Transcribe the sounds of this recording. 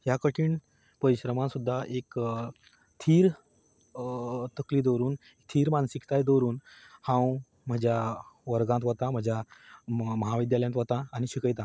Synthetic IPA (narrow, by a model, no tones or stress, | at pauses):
ɦjakəʈʰiːɳ | pəɾiɕɾəmãsud̪ʱːaʔek | t̪ʰiːɾ | t̪əkliːd̪oɾuːn | kt̪ʰiːɾmansikt̪ajd̪oɾuːnhãw | m̤əd͡ʑjaʋəɾɡãnt̪ʋət̪ãm̤əd͡ʑʱja | məɦaʋid̪jaljãt̪ʋət̪ãːñiɕikəjt̪ã